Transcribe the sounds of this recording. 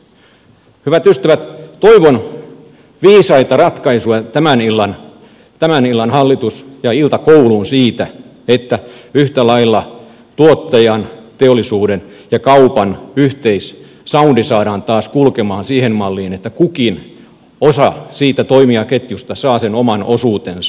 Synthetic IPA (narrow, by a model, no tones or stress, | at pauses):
hyʋæt̪yst̪æʋæt̪t̪oiʋon | ʋiːsɑit̪ɑrɑt̪kɑisuɑt̪æmænilːɑn | t̪æmænilːɑnhɑlːit̪usjɑilt̪ɑkoulunsiːt̪æ | et̪ːæyht̪ælɑilːɑ | t̪uot̪ːɑjɑnt̪eolːˑisuːdenjɑkɑupɑnyht̪eis | sɑundisɑːɾɑːnt̪ɑːskulkemɑːnsiːhemmɑlːiːnet̪ːækukin | osɑsiːt̪æt̪oimiɑket̪just̪ɑsɑːsenomɑnosuːt̪en